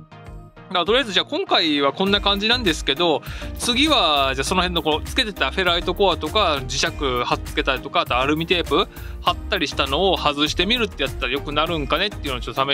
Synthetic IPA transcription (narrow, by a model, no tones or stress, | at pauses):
at̪o̞ɾijazɨd͡ʑaːkõ̞ŋkaiβakõ̞nːakãɲ̟d͡ʑinãnd̪e̞sɨ̥ke̞d̪o̞t͡sɨɡʲiβad͡ʑaːso̞no̞hẽ̞nːo̞kot͡sɨ̥ke̞t̪e̞t̪aɸe̞ɾait̪o̞ko̞at̪o̞kad͡ʑiɕakɯ̟haɨ̥t͡sɨ̥ke̞t̪aɾʲit̪o̞kaːt̪oaɾɯ̟mʲit̪e̞ːpɯ̟ | hat̪ːaɾʲiɕi̥t̪ano̞ːhazɨɕi̥t̪e̞mʲiɾɯ̟t̪ːe̞jat̪ːaɾajokɯ̟naɾɯ̟̃ŋkane̞t̪ːeiɯ̟not͡ɕot̪ːosame